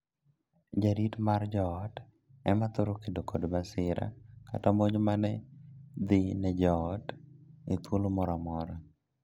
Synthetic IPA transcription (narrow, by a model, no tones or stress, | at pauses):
d͡ʒaɾitmard͡ʒɔt | ɛmat̪ʊɾokedokodbasɪɾa̰ka̰tamoɲmanɛd̪ɪnɛd͡ʒɔtet̪wolomɔɾamɔɾɔ